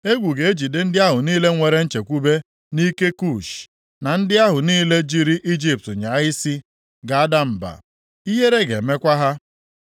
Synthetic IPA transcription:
e˦ɡʷu˨ɡe˨e˦d͡ʒi˨dɪ˦n̩˦dɪ˦a˦ɦʊ˨niː˦le˦ŋʷe˨ɾe˦n̩˦t͡ʃe˨kʷu˦be˦ | ni˦ke˦ku˦˨ʃ | na˨n̩˦dɪ˦a˦ɦʊ˨niː˦le˦d͡ʒi˦ɾi˦ʔi˦d͡ʒi˦p̚tɲa˨˦ɪ˦si˦ | ɡa˨a˦da˦m̩˨ba̰˨ | i˦ɦe˦ɾe˦ɡe˨me˦kʷa˦ɦa˦

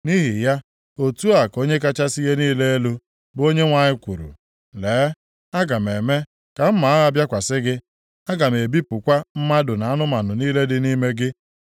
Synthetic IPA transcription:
ni˦ɦi˨ja˦ | o˨tu˦a˨ko˦ɲe˦k̬a˦t͡ʃa˦si˦ɦe˦niː˦le˦e˦lu˦ | bo˦ɲe˦ŋʷa˨ɲɪ˦kʷu˨ɾṵ˨ | leː˨˦ | a˦ɡa˨me˨me˦ | ka˨m̩˦ma˨a˦ɣa˦bja˦kʷa˨sɪ˦ɡɪ˦ | a˦ɡa˨me˨bi˦pʊ˨kʷa˦m̩˦ma˦dʊ˨na˨a˦nʊ˦ma˨nʊ˨niː˦le˦dɪ˦ni˦me˦ɡɪ˦

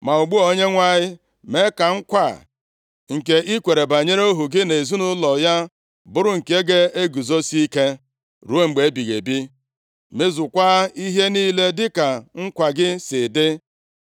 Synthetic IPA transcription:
ma˨ʊ˨ɡ͡bu˦o˨ɲe˦ŋʷa˦˨ɲɪ˦ | me˦ka˨ŋ̩˦kʷa˦˨ | ŋ̩˨ke˨ʔi˦kʷe˨ɾe˨ba˨ɲe˦ɾo˦ɦu˨ɡɪ˦ne˨zu˦nʊ˦lɔ˨ja˦ | bʊ˦ɾʊ˦ŋ̩˨ke˦ɡe˦e˦ɡu˨zo˦si˦i˦ke˦ | ɾu˦e˦ŋ͡m̩˨ɡ͡be˨˦bi˨ɣḛ˨bi˦ | me˦zʊ˨kʷa˦i˦ɦe˦niː˦le˦dɪ˦ka˨ŋ̩˦kʷa˨ɡɪ˦sɪ˨dɪ˦

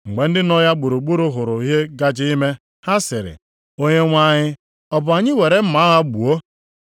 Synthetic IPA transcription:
ŋ͡m̩˨ɡ͡be˨n̩˦dɪ˦nɔ˦ja˦ɡ͡bu˨ɾu˨ɡ͡bu˦ɾʊ˦ɦʊ˨ɾʊ˨i˦ɦe˦ɡa˦d͡ʒɪ˦i˦me˦ | ha˦sɪ˨ɾɪ̰˨ | o˦ɲe˦ŋʷa˦ɲɪ˦ | ɔ˦bʊ˨a˨ɲɪ˦we˨ɾe˨m̩˦ma˨˦ɣa˦ɡ͡bu˨o˦

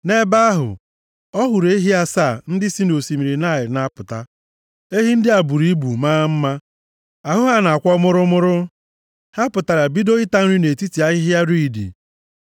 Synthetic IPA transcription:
ne˦ba˦a˦ɦʊ̰˨ | ɔ˦ɦʊ˨ɾe˦ɦi˦a˦saː˦˨n̩˦dɪ˦si˦no˨si˨mi˨ɾi˨na˦˨jɪ˨ɾna˦pʊ˨ta˦ | e˦ɦi˦n̩˦dɪ˦a˨bu˨ɾi˦bu˨maː˦m̩˦ma˦ | a˨ɦʊ˦ɦa˦na˨a˨kʷɔ˦mʊ˦ɾʊ˦mʊ˦ɾʊ˦ | ha˦pʊ˨ta˨ɾa˨bi˦do˦ɪ˦ta˦n̩˦ɾi˦ne˨ti˦ti˨a˦ɣɪ˦ɦi˦a˦ɾi˦i˨dḭ˨

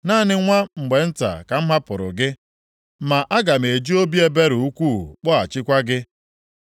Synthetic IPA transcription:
naː˦˨nɪ˦ŋʷa˦ŋ͡m̩˨ɡ͡be˨n̩˦ta̰˨ka˨m̩˦ma˦pʊ˨ɾʊ̰˨ɡɪ˦ | ma˨ʔa˦ɡa˨m˨e˨d͡ʒi˦o˦bi˦e˦be˦ɾu˨u˦kʷu˦˨k͡pɔ˦a˨t͡ʃɪ˦kʷa˦ɡɪ˦

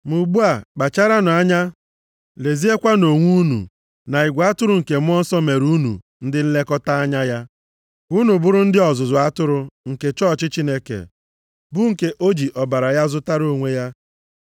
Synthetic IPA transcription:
mu˨ɡ͡bu˦a˨k͡pa˨t͡ʃa˦ɾa˦nʊ˨a˦ɲa˦ | le˨zi˦e˦kʷa˦no˨ŋʷu˦nṵ˨ | na˨i˨ɡʷa˦tʊ˦ɾʊ˨ŋ̩˨ke˨mʊ˦ɔ˦n̩˦sɔ˦me˨ɾu˦nṵ˨ | n̩˦dɪ˦n̩˦le˦kɔ˦ta˦a˦ɲa˦ja˦ | u˦nu˨bʊ˦ɾʊ˦n̩˦dɪ˦ɔ˨zʊ˨zʊ˨a˦tʊ˦ɾʊ˦ŋ̩˨ke˨t͡ʃɔ˦˨t͡ʃɪ˦t͡ʃi˦ne˦kḛ˨ | bʊ˦ŋ̩˨ke˦˨ʔo˦d͡ʒi˨ʔɔ˨ba˨ɾa˨ja˦zʊ˦ta˦ɾo˦˨ŋʷe˦ja˦

